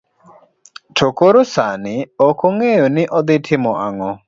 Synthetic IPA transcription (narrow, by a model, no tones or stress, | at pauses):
tʰokoɾosanɪɔkoŋejonɪʔɔd̪ɪtʰɪmɔʔaŋɔ